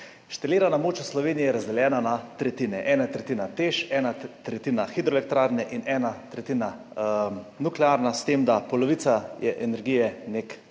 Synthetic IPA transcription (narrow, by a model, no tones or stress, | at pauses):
ʃt̪ɛleːɾanamoːt͡ʃjuslɔʋeːnijɛjɛɾazd̪ɛljɛːnanat̪ɾɛt̪iːnɛʔɛːnat̪ɾɛt̪iːnat̪eːʃɛːnat̪ɾɛt̪iːnaxid̪ɾɔelɛk̚t̪ɾaːɾnɛʔinʔɛːnat̪ɾɛt̪iːna | nuklɛaːɾnast̪eːmd̪apɔlɔʋiːt̪sajɛʔɛnɛɾɡijɛnek